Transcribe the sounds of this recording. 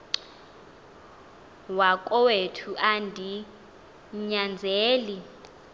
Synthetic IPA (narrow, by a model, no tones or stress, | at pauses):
wakʼɔwetʰuʔandʱi | ɲand͡zʱeːli